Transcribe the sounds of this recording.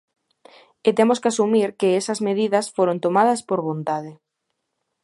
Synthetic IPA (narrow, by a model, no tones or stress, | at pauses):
et̪emoskɪasumiɾkeesɐzmeð̞iðɐsfoɾont̪omað̞ɐspoɾβont̪aðɪ